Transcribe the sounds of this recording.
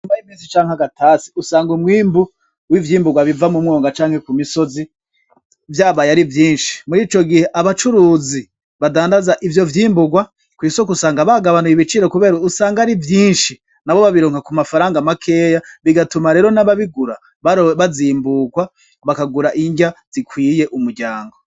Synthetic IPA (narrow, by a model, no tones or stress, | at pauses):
mbajimiːsi̥t͡ʃaːŋ̥haɡatʰasiusaːŋɡumwiːmbu | wivjiːmbuɡwaβivamumŋo̞ːŋɡat͡ʃaːŋ̥he̞kumiso̞zi | vjaːβajaɾivjiːnʃi̥muɾiːt͡ʃoɡihe̞ʔaβat͡ʃuɾuːzi | βadaːndazaʔivjo̞vjiːmbuɡwa | kwiːsokusaːŋɡaβaɡaβanujiβit͡ʃiɾo̞kuβe̞ːɾausaːŋɡaɾivjiːnʃi | naβo̞βaβiɾoːŋhakumafaɾaːŋɡamakʰe̞ːjaβiɡatumaɾe̞ːɾo̞naβaβiɡuɾa | ββaziːmbuɡwa | βakaɡuɾaʔiɲɟaz̥ikwiːje̞ʔumuɾɟaːŋɡo̞